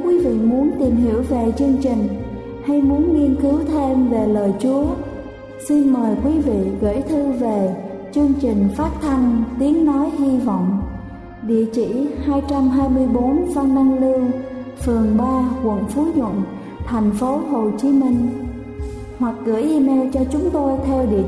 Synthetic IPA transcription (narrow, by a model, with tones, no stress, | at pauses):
kwi˨˦vḭ˧˨mu˨˦ənt̪i˨˩mɦḭ˧˩əwve˨˩t͡ɕɨ˧əŋt͡ɕi˨˩ŋ̟ | ha˧jmu˨˦ənŋi˧ənkɨ˨˦wt̪ʰe˧mve˨˩ləː˨˩jt͡ɕu˨˦ə | si˧nməː˨˩jkwi˨˦vḭ˧˨ɣə̰˧˩jt̪ʰɨ˧ve˨˩ | t͡ɕɨ˧əŋt͡ɕï˨˩ŋ̟faː˦˥t̚t̪ʰa˧nt̪i˨˦əŋnɔ˨˦jhi˧vɔ̰˧˨wŋ͡m | ɗḭ˧˨ət͡ɕḭ˧˨haː˧jt͡ɕa˧mɦaː˧jmɨ˧əjɓo˨˦nva˧nːa˧ŋlɨ˧əŋfɨ˨˩əŋɓaː˧kwə̰˧˨nfu˨˦ɲwə̰˧˨n | t̪ʰa˨˩jŋ̟fo˨˦ɦo˨˩t͡ɕi˨˦mi˧ŋ̟ | hwa˨˩k̚ɣɨ̰˧˩jʔi˧mɛ˧wt͡ɕɔ˧t͡ɕʊ˨˦ŋ͡mt̪o˧jt̪ʰɛ˧wɗḭ˧˨ə